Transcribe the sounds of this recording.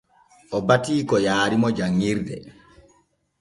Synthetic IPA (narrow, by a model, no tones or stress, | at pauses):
ʔɔbatiːkɔjaːɾimɔd͡ʒaŋːiɾdɛ